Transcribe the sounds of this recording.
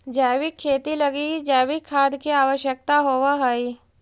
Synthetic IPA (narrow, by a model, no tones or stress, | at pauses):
d͡ʒaːʋikʰːeːt̪ilɐɡid͡ʒaːʋikʰːaːd̪kiaːʋəʃjək̚t̪aɦoʋaɦəi